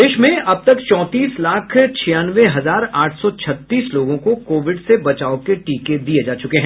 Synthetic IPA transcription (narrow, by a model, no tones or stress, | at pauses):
d̪eːʃmẽɐb̚t̪ɐkt͡ʃɔ̃ːt̪iːslaːkʰt͡ʃʰijaːnʋeɦɐzaːɾaːʈʰsɔt͡ʃʰɐt̪ːiːsloːɡõkokoːʋɪɖsebɐt͡ʃaːokeʈiːked̪ied͡ʒaːt͡ʃʊkeɦɛ̃